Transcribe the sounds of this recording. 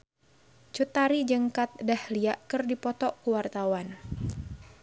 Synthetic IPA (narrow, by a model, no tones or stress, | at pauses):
t͡ʃut̪aɾid͡ʒəŋkat̪̚dahliaʔkɨrdipɔt̪ɔʔkuwart̪awan